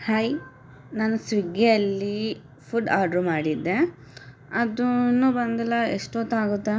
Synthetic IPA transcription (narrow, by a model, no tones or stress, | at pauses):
hɐj | naːnusʋiɡeɐlːi | pʰuɖaːɖɾumaːɽid̪ːe | ɐd̪unːubɐnd̪ɐlːɐeʂʈot̪ːaːɡut̪ːe